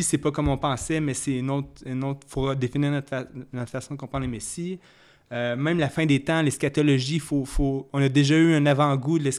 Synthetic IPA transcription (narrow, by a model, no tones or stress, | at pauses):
isɛpɔkɔmɔ̃pɑ̃sɛmɛsɛynɔt̪ynot̪χfoʁəd̪efiniːʁnɔt̪fanɔt̪χfasɔ̃d̪əkɔ̃pʁɑ̃nlemesi | ømɛ̃mlafɛ̃d̪et̪ãleskat̪ɔlɔʒifofoɔ̃nad̪eʒayɛ̃navɑ̃ɡud̪lɛs